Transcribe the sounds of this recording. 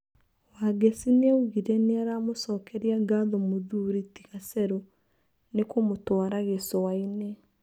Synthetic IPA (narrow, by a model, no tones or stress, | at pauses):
waɡesineuɣiɾɛneaɾamosɔːkɛɾiaɡaðɔmoðuɾitiɣasɛɾo | nekomotwaɾaɣesɔwaine